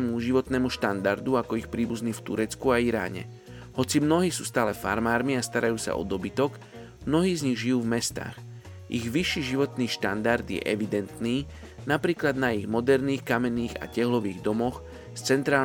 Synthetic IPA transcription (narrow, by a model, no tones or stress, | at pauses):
muʒiʋɔt̪nɛːmuʃt̪and̪aɾd̪uakɔixpɾiːbuzniːft̪uɾɛt͡skuaiɾa̰ːɲɛ̰ | hɔt͡simnɔɦiːsuːst̪aːlɛfa̰ɾmaːɾmiast̪aɾajuːsa̰ʔɔ̰d̪ɔbit̪ɔɡ | mnɔɦiːzɲiɣʒijuːvmɛst̪a̰ːɣ | ʔiɣʋiʃːiːʒiʋɔt̪niːʃt̪and̪aɾd̪jɛ̰ʔɛʋid̪ɛnt̪niː | napɾiːklad̪naiɣmɔd̪ɛɾniːxkamɛniːɣa̰cɛɦlɔʋiːɣd̪ɔmɔx | st͡sɛnt̪ɾaː